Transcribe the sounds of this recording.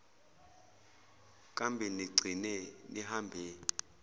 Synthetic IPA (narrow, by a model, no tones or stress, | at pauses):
kʼambʱiniɡ͡ǀʱinɛniɦambʱi